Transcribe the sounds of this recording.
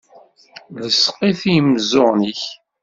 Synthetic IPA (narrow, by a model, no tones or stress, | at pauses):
ləsqiθijəmzʊʁniç